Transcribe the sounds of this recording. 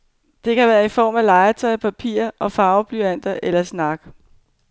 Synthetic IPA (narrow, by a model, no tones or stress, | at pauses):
d̥e̝kæʋæːɐifɒ̰ːmælɑ̈ɪɐt͡sʰɒɪpʰæpʰḭːɐʔɒ̽fɑ̈ʊb̥lyæn̰d̥ɐʔelɐsnɑ̈ɡ̥